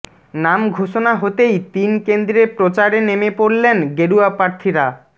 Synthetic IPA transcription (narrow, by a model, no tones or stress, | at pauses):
namɡʱoʃonaɦot̪ejt̪inkend̪ɾepɾot͡ɕaɾenemepoɾlenɡeɽuapɾaɾt̪ʰiɾa